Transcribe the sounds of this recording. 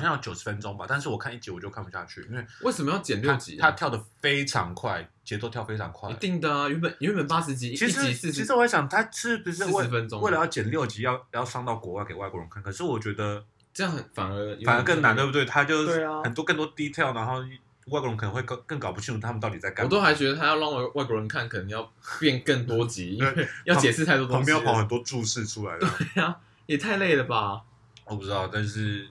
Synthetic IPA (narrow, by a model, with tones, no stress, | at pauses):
jɑ˥˩t͡ɕjo˨˩ʊʂɻ̥̩˧˥fə˦nʈ͡ʂʊ˥ŋba̰˨t̪a˥˧nʂ̬ɻ̩˥˩wɔ˨˩kʰa˥˧ni˥˩t͡ɕi˧˥wɔ˨˩jo˥˧ʊkʰpu˧˩ɕja̰˥˧t͡ɕʰy̰˥˩ḭ˥nwe˥˩ɪwe˥˩ɪʂə˨˩mə˦jɑ˥˩ʊt͡ɕjɛ̰˨˩nljʊt͡ɕḭ˧˥t̪ʰa˥t̪ʰjɑ˥˩ʊd̪ə˩fe˥ɪʈ͡ʂʰɑ̰˧˥ŋkʰwa˥˩ɪt͡ɕjɛ˧˥t͡so˥˧t̪ʰjɑ˥˩ʊfe˥ɪʈ͡ʂʰɑ̰˧˥ŋkʰwa̰˥˩˧t̪i˥˩ŋd̪ə˩y˧˥pə˨ny˧˥pə˨˩npa˥ʂɻ̩˧˥t͡ɕi˧˥t͡ɕʰi˧˥ʂ̩˥t͡ɕi˧˥s̩˥˩t͡ɕi˧˥ʂɻ̩˧˥wɔ˧˥ɕjɑ˨˩ŋt̪ʰa˥ʈ͡ʂɻ̩˥˧˩u˧˥˧wə˦nʈ͡ʂʊ˥ŋwɪlə˧jɑ˥˩ʊt͡ɕjɛ˨˩nljo˥˩ʊt͡ɕi˧˥jɑ˥˧ʊjɑ˥˩ʊʂɑ˥˧ŋt̪ɑ˥˩ʊkwɔ˧˥wa˥˩ke˨˩ɪwa˥˩kwɔ˧˥˩o˧˥ŋʰkʰnkʰɤ˨˩ʂɻ̩˥˩wɔ˨˩t͡ɕɥɛ˧˥d̪ə˧ | ʈ͡ʂɤ˥˧jɑ˥˩ŋxə˨˩nfa̰˨˩nə˧˥˧fa˨˩nə˧˦˥kə˥˩ŋna˧˥nt̪e˥˩bt̪we˥˩ɪt̪ʰa˥t͡ɕjo˥˧ʊe˥˩ə˩nt̪wɔ˥kə˥˧nt̪wɔ˥ə˧t̪i˥t̪ʰɛ˥˩lna˧˥nxo˥˧ʊ˧ | wa˥˩kɔ˧˩ə˧˦kʰə˨˩nə˧˦ŋwe˥˧ɪkkə˥˩ŋkɑ˨˩pu˥˩t͡ɕʰi˥˧nʈ͡ʂu˥˩˥ə˨nt̪ɑ˥˩ʊti˨˩t͡sa˥˧ɪka˥ɔ˨˩t̪o˥ʊxa˧˥ɪt͡ɕɥɛ˧˥d̪ə˧t̪ʰa˥jlɑ˥˧ŋwa˥˩wa˥˩ɪkwɔ˧ɻə˧˦nkʰa˥˩nkʰɤ˨˩ə˧˦ŋjɑ˥˧ʊpjɛ˥˧nkə˥˩ŋt̪wɔ˥t͡ɕi˨˥˩jɑ˥˩ʊ˧t͡ɕjɛ˨˩ʂɻ̩˥˧t̪ʰa˥ɪt̪wɔ˧t̪ʰːpjjpɑ˨˦˥xə˨˩nt̪wɔ˥ʈ͡ʂu˥˧ʂɻ̩˥˧ʈ͡ʂʰu˥la̰˧˦ɪd̪əwe˥˩ɪa˨ | jɛ˨˩t̪ʰa˥˧ɪle˥˩d̪ə˩bɐ˩ | wɔ˨˩pu˥ʈ͡ʂɻ̩˥t̪ɑ˥˩ʊt̪a˥˧nʂɻ̩˥˩